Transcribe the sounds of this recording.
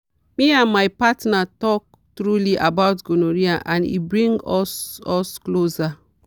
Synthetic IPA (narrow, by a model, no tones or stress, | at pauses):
miãnmajpatnatɔk̚ | tɾuliʔabawtɡonoɹiaʔãnḭbɹĩŋɡɔsɔskloza